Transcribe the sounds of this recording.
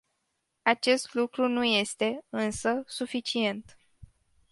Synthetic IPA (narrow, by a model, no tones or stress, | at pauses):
at͡ʃe̞st̪lukɾunuje̞st̪e̞ɨnsəsufit͡ʃie̞nt̪